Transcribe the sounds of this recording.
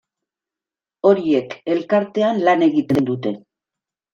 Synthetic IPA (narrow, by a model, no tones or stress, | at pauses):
o̞ɾie̞ke̞lkaɾt̪e̞anlane̞ɣit̪end̪ut̪e̞